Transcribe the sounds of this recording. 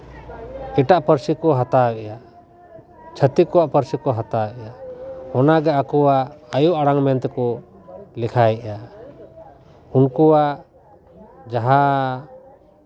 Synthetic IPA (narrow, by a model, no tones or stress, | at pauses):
ɛʈaʔpəɾsikɔɦat̪awɛjaʔ | t͡ʃʰət̪ikɔwaʔpəɾsikɔɦat̪aɛjaʔhɔnaɡɛakɔwaəjuʔaɽaŋmɛnt̪kɔ | lɛkʰajɛʔa | unkɔwa | d͡ʒaɦa